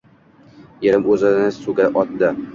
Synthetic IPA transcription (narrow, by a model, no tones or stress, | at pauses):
jeɾɪmɵzɪnɪsuɡʲaʔɒt̪d̪ɪ